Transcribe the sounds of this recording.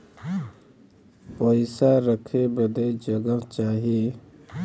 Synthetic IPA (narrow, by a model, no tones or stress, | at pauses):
pəɪsaɾəkʰebəd̪ed͡ʒəɡəɦt͡ʃaːɦieː